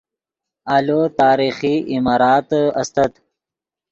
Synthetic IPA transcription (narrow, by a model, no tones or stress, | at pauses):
alot̪aːɾiːxiʔimɑːɾɑːt̪ɐ̰st̪ət̪